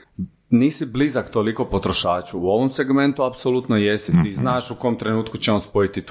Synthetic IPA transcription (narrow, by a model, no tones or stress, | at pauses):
niːsiblizakt̪oliko̞pot̪ɾoʃaːt͡ʃuuo̞ʋomseɡme̞nt̪uapsolut̪nojesit̪iːznaːʃuko̞omt̪ɾe̞nuːt̪kut͡ɕeonspo̞it̪it̪